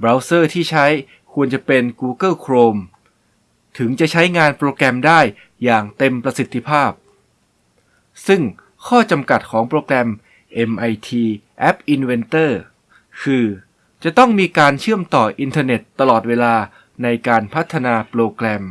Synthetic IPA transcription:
bɾaː˦˥wsɤː˥˩t̪ʰiː˥˩t͡ɕʰa˦˥j | kʰu˧ənt͡ɕa˨˩pe˧nkuː˧kɤ˥˩kʰɾoː˧m | t̪ʰɯ˩˦ŋt͡ɕa˨˩t͡ɕʰa˦˥jŋaː˧npɾoː˧klɛ˧mdaː˥˩jː | aː˨˩ŋt̪e˧mpɾa˧si˨˩t̪ʰːi˧pʰaː˥˩p̚ | sɯ˥˩ŋ | kʰɔː˥˩t͡ɕa˧mka˨˩t̪̚kʰɔː˩˦ŋpɾoː˧klɛ˧m | ʔe˧mʔa˧jt̪ʰiː˧ | ʔɛ˦˥p̚ʔi˧nwe˧nt̪ɤː˥˩ | kʰɯː˧ | t͡ɕa˨˩t̪ɔ˥˩ŋmiː˧kaː˧nt͡ɕʰɯ˥˩əmt̪ɔː˨˩ʔi˧nt̪ʰɤː˧ne˨˩t̪ːa˧lɔː˨˩t̪̚weː˧laː˧ | na˧jkaː˧npʰa˦˥t̪ʰːa˧naː˧pɾoː˧klɛ˧m

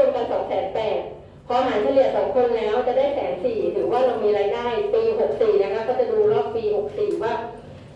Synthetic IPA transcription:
o˧nka˧nsɔ̰ː˩˦ŋsɛː˨˦npɛː˨˩t̪̚ | pʰɔː˧ɦaː˩˦nt͡ɕʰa˧li˨˩ət̪̚sɔː˩˦ŋkʰo˧nlɛː˦˥wt͡ɕa˨˩daː˥˩jsɛː˩˦nsiː˨˩t̪ʰɯː˩˦waː˥˩ɾa˧wmiː˧ɾaː˧jnaː˥˩jpiː˧ɦo˨˩k̚siː˨˩na˦˥˩kʰa˦˥kɔː˥˩t͡ɕa˨˩duː˧lɔː˥˩k̚piː˧ɦo˨˩k̚siː˨˩waː˥˩

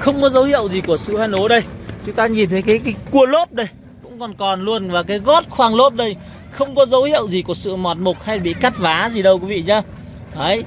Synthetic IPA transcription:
xə˧wŋ͡mkɔ˨˦zə˨˦whḭ˧˨əwzi˨˩ku˧˩əsɨ̰˧˨ha˧jno˨˦ɗə˧jt͡ɕʊ˨˦ŋ͡mt̪aː˧ɲi˨˩nt̪ʰə˨˦jkaː˨˦jkaː˨˦jku˧˩əlo˦˥p̚ɗə˧j | kʊ̰˧˥ŋ͡mkɔ˨˩nkɔ˨˩nlu˧ənvaː˨˩kaː˨˦jɣɔ˦˥t̚xwaː˧ŋlo˦˥p̚ɗə˧j | xə˧wŋ͡mkɔ˨˦zə˨˦whḭ˧˨əwzi˨˩ku˧˩əsɨ̰˧˨mɔ˨˩t̚mo˨˩k̚ha˧jɓḭ˧˨ka˦˥t̚vaː˨˦zi˨˩ɗə˧wkwi˨˦vḭ˧˨ɲaː˨˧˦ | ʔə˨˦j

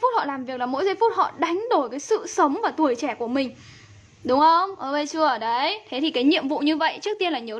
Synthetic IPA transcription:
jfu˦˥t̚hɔ̰˧˨laː˨˩mvi˨˩ək̚laː˨˩mo̰˧˥jza˧jfu˦˥t̚hɔ̰˧˨ɗa˨˦jŋ̟ɗo˧˩jkaː˨˦jsɨ̰˧˨sə˨˦wŋ͡mvaː˨˩t̪u˨˩əjt͡ɕɛ˧˩ku˧˩əmï˨˩ŋ̟ | ɗʊ˨˦wŋ͡mxə˧wŋ͡mʔəː˧˩ɓə˧jt͡ɕɨ˧əʔəː˧˩ɗə˨˦jt̪ʰe˨˦t̪ʰi˨˩kaː˨˦jɲḭ˧˨əmvṵ˧˨ɲɨ˧və̰˧˨jt͡ɕɨ˦˥ək̚t̪i˧ənlaː˨˩ɲə˨˦

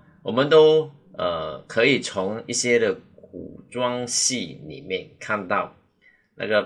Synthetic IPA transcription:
wɔ˨˩mə˦nt̪o˥ʊ | ə˩kʰə˧˦i˨˩t͡sʰʊ˧˦ŋi˥˩ɕjɛ˥d̪ə˨k̚ṵ˨˩ʈ͡ʂwɑ˦ŋɕi˥˩nḭ˨˩mjɛ˥˨nkʰa˥˧nt̪ɑ˥˩ʊ | na̰˥˩ɡə˨˩

